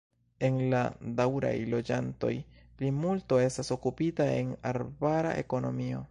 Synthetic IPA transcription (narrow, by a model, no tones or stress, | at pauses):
e̞nla̰dawɾa̰jlo̞d͡ʒanto̞̰jplimulto̞e̞staso̞kupitaḛnaɾbaɾa̰ʔe̞̰ko̞no̞̰mio̞̰